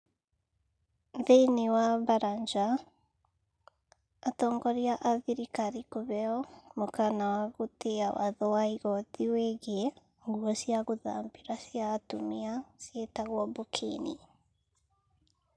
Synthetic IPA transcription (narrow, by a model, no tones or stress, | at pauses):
ðeinewaβaɾaɲd͡ʒa | tɔːŋɡɔɾiaʔaðiɾikaɾikoβɛɔmokanawaɣoteawa̰ðɔwaiɣɔðiweɣe | ŋɡuɔsiaɣoða̰mbiɾasjatumiasjetaɣwɔbokʰḛni